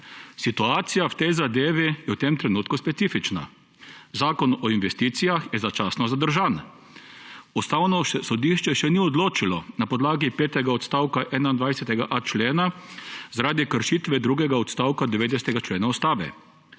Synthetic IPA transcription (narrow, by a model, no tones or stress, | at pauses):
sit̪uaːt̪sijawt̪ɛjzad̪eːʋijɛwt̪emt̪ɾɛnuːt̪kuspɛt̪siːfit͡ʃna̰ | zaːkɔnɔinʋɛst̪iːt̪sijaxjɛzat͡ʃaːsnɔzad̪əɾʒaːn | ust̪aːwnɔsɔd̪iʃt͡ʃɛʃɛniɔd̪loːt͡ʃilɔnapɔd̪laːɡipeːt̪ɛɡaɔt̪st̪aːwkaʔɛnaind̪ʋajsɛt̪ɛɡaʔat͡ʃleːnazaɾaːd̪ikəɾʃiːt̪ʋɛd̪ɾuːɡɛɡaɔt̪st̪aːwkad̪ɛʋeːd̪ɛsɛt̪ɛɡat͡ʃleːnaust̪aːʋɛ̰